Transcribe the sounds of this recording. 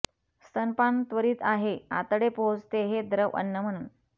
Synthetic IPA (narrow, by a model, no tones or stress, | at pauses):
st̪ənpant̪ʋəɾiːt̪aɦea̰t̪əɽepot͡st̪eɦed̪ɾəʋʔə̰nːəm̤əɽ̃uːn